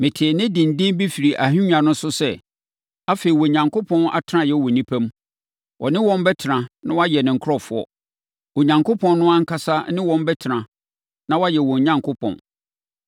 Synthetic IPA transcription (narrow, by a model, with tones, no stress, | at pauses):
mɪ̃˨tʰɪ˨nɪ̃˦dɪ̃˨n̩˨dɪ̃˦n˦bi˦fi˨ɾi˨ʔa˨ɦĩ˦ɲ˦ã˨nʊ̃˦sʊ˦sɛ̰˦ | a˦fe˨i˨wɔ˨ɲã˨ŋko˦pʰɔ̃˦na̰˨tʰɾã˦jɛ˦wɔ˨nĩ˦pʰæ̃˦m | wʔɔ̰˨nɪ̃˦wɔ̃˦m˦bɛ˦tʰɪ˨ɾã˨nã˦wɔ˦a˦jɛ˨nɪ̃˨ŋ̩˨kʰɾɔ˦fʊ˦ɔ̰˦ | wɔ˨ɲã˨ŋkʰo˦pʰɔ̃˨n˦nʊ̃˦ã˦ŋ̩˦kʰa˦sa˦nɪ̃˦wɔ̃˦m˦bɛ˦tʰɪ˨ɾã˨ | nã˦wa˦jɛ˨wɔ̃˨ɲã˦ŋkʰo˦pʰɔ̰̃˨n